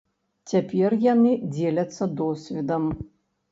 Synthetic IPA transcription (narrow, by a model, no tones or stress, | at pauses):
t͡sʲapʲɛrjanɨd͡zʲelʲɐt̪sːɐd̪ɔsʲvʲid̪ɐm